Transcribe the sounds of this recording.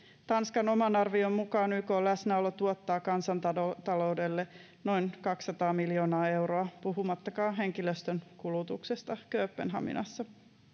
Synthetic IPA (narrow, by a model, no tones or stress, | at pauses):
t̪ɑnskɑno̞mɑnɑrʋiommukɑːnykolæsnæolːɑt̪uot̪ːɑːkɑnsɑnt̪ɑt̪ɑlo̞wde̞lːe | no̞inkɑksːɑt̪ɑːmiljo̞ːnɑːe̞wɾoɑpuɦumɑt̪ːɑkɑːɦe̞ŋkiløst̪ønkulut̪uksest̪ɑkøːpːenɦɑ̰mḭnʔɑ̰sːɑ